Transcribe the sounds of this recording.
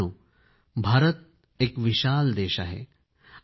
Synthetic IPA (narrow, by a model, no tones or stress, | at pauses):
uː | bʱaːɾət̪̚ | ekʋiɕaːld̪eːɕa̰ɦḛ